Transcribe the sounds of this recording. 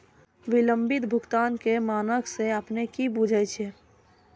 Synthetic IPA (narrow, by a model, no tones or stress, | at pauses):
ʋɪləmbɪt̪bʱʊkt̪aːnkemaːnəkseəpnekibud͡ʒʱət͡ʃʰe